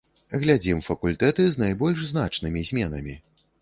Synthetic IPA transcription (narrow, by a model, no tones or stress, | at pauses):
ɣlʲad͡zʲimfɐkulʲt̪ɛt̪ɨznajbɔlʲʂznat͡ʂnɨmʲizʲmʲɛnɐ̰mʲi